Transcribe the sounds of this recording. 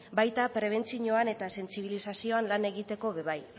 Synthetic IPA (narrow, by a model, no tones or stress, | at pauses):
bajt̪apɾe̞β̞e̞nt͡siɲo̞ane̞t̪ase̞nt͡siβ̞ilisasio̞anlane̞ɣ̞it̪e̞ko̞βe̞βaj